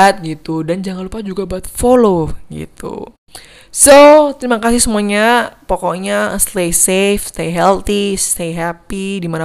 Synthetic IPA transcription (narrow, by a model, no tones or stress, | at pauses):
t̪̚ɡit̪udand͡ʒaŋanlupad͡ʒuɡabaat̪foloɡḭt̪ṵ | sot̪əɾimakasɪhsəmuaɲapɔkɔɲast̪esefst̪eɦɛlt̪ist̪eɦapidimana